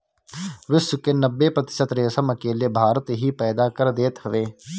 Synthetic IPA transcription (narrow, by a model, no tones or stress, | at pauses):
ʋɪswəkenɐbːepɾɐt̪ɪ̥ʃət̪ɾeːsəmɐkeːlebʱaːɾət̪ɦipɛːd̪akɐɾd̪eːt̪ɦɐʋeː